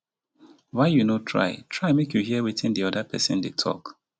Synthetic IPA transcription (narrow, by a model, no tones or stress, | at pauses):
waɪjunotʰɹa̰ɪtʰɹaɪmekjuhiəwiθĩndiɔdəpʰɛ̰sɪ̰̃ndetʰɔ̰k